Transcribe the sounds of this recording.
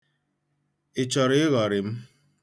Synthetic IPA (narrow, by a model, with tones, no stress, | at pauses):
e˨t͡ʃɔ˨ɾe˦ɣɔ˨ɾɪ˨m̩˦